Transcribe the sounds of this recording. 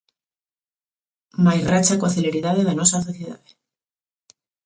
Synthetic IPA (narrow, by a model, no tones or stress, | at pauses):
majrat͡ʃakoaθeleɾiðaðeðenosaθoθjeða̰ðe